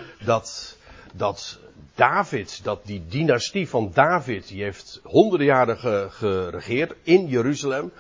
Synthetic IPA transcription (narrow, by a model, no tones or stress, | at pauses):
dɑtdɑtd̥aːvɪtdɑt̚didinastivɑndaːvɪtdiɦejftɦɔndərdəjaːɾəχəχərəχɪːɹtɪnjəɾyzəlɛm